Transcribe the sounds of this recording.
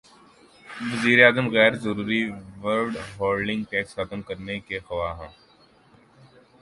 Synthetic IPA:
ʋɐziːɾeaːzəmɣɛːɾzɐɾuːɾiʋəɾlɖɦoːlɖɪ̃ŋɡʈɛːksxɐt̪əmkɐɾnekexɐʋaːɦɛ̃ː

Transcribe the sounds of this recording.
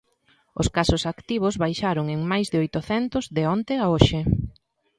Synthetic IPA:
ʊ̰skasʊsakt̪iβ̞ʊzβajʃaɾʊŋeŋmajzðɪojt̪ʊθɛnt̪ʊzðeɔnt̪eaoʃe

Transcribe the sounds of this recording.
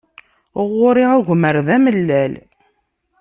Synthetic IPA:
ʊʁːʊɾiʁʊʝʷməɾðæməlːæl

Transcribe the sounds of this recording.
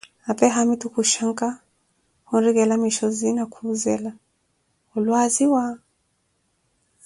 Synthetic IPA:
apɛɦamitukuʃaŋka | hunɾiɣɛlamiʃɔzinakʰuzɛla | ɔlwaziwa

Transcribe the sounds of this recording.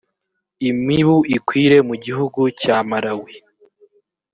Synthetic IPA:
imŋiβuikwiːɾe̞muɟiɦuɡucaːmaɾawi

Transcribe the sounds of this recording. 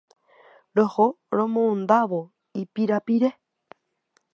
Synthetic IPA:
ɾoho | ɾomõːnd̪aβo | ipiɾapiɾe

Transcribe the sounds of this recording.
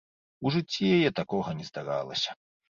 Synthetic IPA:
uʐɨt͡sʲːijajɛt̪akɔɣɐnʲɛzd̪aɾa̰lˠɐ̰sʲɐ̥

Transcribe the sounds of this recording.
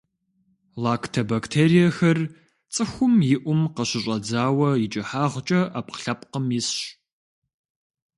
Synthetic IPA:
laːktʰɐbaːktʰeːɾijɐxɐr | t͡sʼɨxʷʊmjɪʔʷʊmqɐɕɪɕʼɐd͡zaːwɐjɪt͡ʃʼɐħaːʁʷt͡ʃʼɐʔaːp̚qɬɐpqəmjɪsɕ

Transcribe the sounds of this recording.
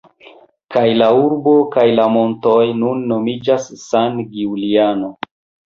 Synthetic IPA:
kajlauɾbo̞kajlamo̞nto̞jnunːo̞mid͡ʒasːanɡiuliano̞

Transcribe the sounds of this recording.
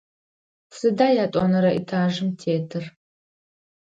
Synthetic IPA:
sɨdaːjaːtʼɔnɐɾɐʔḭtʰaːʒɨmtʰeːtʰɨr

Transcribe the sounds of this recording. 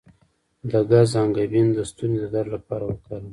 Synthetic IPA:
d̪aɡazɑŋɡabind̪əst̪unzed̪aɾlapɑɾawəkal

